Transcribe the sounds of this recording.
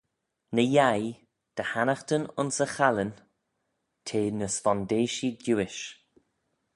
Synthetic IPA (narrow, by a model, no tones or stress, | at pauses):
nəjaj | d̪̥əhanaxt̪ənʊ̰nsəxalən | tʰeːnəsfɔnd̪eːʃiduːɪʃ